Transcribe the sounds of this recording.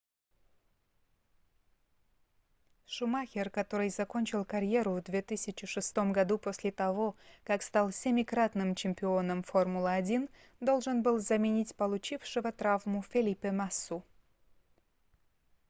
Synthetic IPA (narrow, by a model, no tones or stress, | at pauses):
ʂʊmaxʲerkɐt̪o̞ɾɨjzɐko̞nʲt͡ɕɪlˠkɐɾʲje̞ɾuvd̪vʲet̪ɨsʲɪt͡ɕɪʂɨst̪o̞mɡɐd̪uposʲlʲet̪ɐvo̞kakst̪ɑlˠsʲemʲɪkɾat̪nɨmt͡ɕɪmʲpʲɪo̞nəmfo̞rmulˠəːdʲin | d̪o̞lˠʐɨnbɨlˠzɐmʲenʲitʲpəlˠut͡ɕifʂɨvət̪ɾavmufʲelʲipʲemasːu